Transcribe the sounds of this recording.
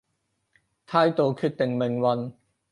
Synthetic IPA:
t̪ʰaː˧˥jt̪o˨˧˩kʰy˨˧˩t̚t̪ɪ˨˩ŋme˨˩ŋwɐ˧n

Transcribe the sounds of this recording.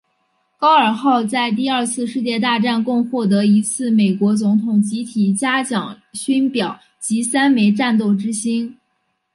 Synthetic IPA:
kɑ˥ʊə˞˨˩xɑ˥˧ʊt͡sa˥˧ɪt̪̬i˥˧ə˞˥˧t͡sʰɹ̩˥˧ʂɻ̩˥˧t͡ɕjɛ˥˧t̪̬a˥˧ʈ͡ʂa˥˧nkʊ˥˧ŋxwɔ˥˩t̪̬ɤ˧˥i˧˥t͡sʰɹ̩˥˩me˨˩ɪkwɔ˧˥t͡sʊ˧˥ŋt̪ʰʊ˨˩ŋt͡ɕi˧˥t̪ʰi˨˩t͡ɕja˥t͡ɕjɑ˨˩ŋ | ɕy˥npjɑ˨˩˦ʊ | t͡ɕi˧˥sa˥nme˧˥ɪʈ͡ʂa˥˧nt̪̬o˥˩ʊʈ͡ʂɻ̩˥ɕi˥n

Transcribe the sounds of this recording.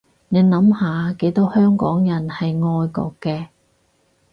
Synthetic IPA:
ne˨˧nɐ˨˥mhaː˨ke˨˥jt̪o˨˥whœː˥ŋkɔː˨˥ŋjɐ˨˩nhɐ˨jŋɔː˧jkɔ̰ː˧kːɛː˧

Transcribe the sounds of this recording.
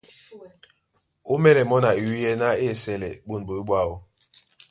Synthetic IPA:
o˦mɛ˦ɾɛ˨mɔ˦na˨i˨wi˦jɛ˦na˦e˦˨sɛ˦lɛ̰˨k͡po˦n˨bo˨i˦ɓa˦˨o˦

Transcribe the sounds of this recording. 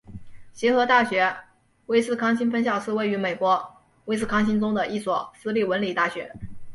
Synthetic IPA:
ɕjɛ˧˥xɤ˧˥t̪a˥˩ɕɥɛ˧˥ | we˥ɪsɹ̩˥˩kʰɑ˥ŋɕi˥nfə˥nɕjɑ˥˩ʊʂɹ̩˥˧we˥˩ɪy˧˥me˨˩ɪkwɔ˧˥ | we˥ɪsɹ̩˥˩kʰɑ˥ŋɕi˥nʈ͡ʂʊ˥ŋd̪ə˨ʔi˥˩swɔ˨˩sɹ̩˥li˥˩wə˧˥nli˨˩t̪a˥˩ɕɥɛ˧˥

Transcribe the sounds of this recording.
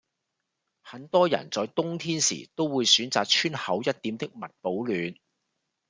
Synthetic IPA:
hɐ˨˥nt̪ɔː˥jɐ̰˨˩nt͡sɔː˨˧jt̪ʊ˥ŋt̪ʰiː˥nsḭː˨˩t̪o˥wwuː˨˧jsyː˨˥nt͡saː˨k̚t͡ʃʰyː˥nhɐ˨˥wjɐ˥t̚t̪ːi˨˥mt̪ɪ˥k̚mɐ˨t̚po˨˥wlyː˨˧n

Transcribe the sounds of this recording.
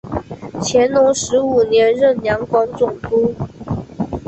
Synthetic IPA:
t͡ɕʰjɛ˧˥nnʊ˧˥ŋʂɻ̩˧˥u˨˩njɛ˧˥nɻə˥˩nljɑ˧˥ŋkwɑ˧˥ŋt͡sʊ˨˩ŋt̪u˥

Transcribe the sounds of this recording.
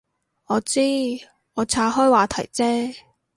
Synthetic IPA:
ɔː˨˧t͡siː˥ | ɔː˨˧t͡sʰaː˧ɦɔː˥jwaː˨˧t̪ʰɐ̰˨˩jt͡sɛː˥

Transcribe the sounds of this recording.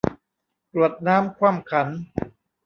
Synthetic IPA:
pɾu˨˩ət̪̚naː˦˥mkʰwaː˥˩mkʰa˩˦n

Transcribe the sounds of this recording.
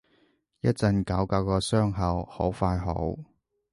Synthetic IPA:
jɐ˥t̚t͡sɐ˧nkɐ˨˥wkɐ˨˥wkɔː˧sœː˥ŋɦɐ˨who̰˨˥wfaː˧jɦo̰˨˥w

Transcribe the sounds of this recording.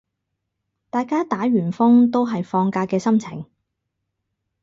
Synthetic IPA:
t̪aː˨jkaː˥t̪aː˨˥ɥyː˨˩nfʊ˥ŋt̪o˥wɦɐ˨jfɔː˧ŋkaː˧kɛː˧sɐ˥mt͡sʰɪ˨˩ŋ

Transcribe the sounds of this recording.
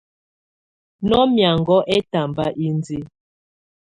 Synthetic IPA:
nɔ˦mja˨ŋɡɔ˦ʔɛ˦ta˨mba˦ʔi˦nd͡zi˦

